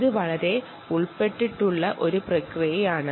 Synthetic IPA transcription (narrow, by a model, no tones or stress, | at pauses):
ðɯʋɐɭɐɾe | ʊɭpeʈːiʈːuɭːɐʔɔɾɯprɐkrijɐjaːɳɨ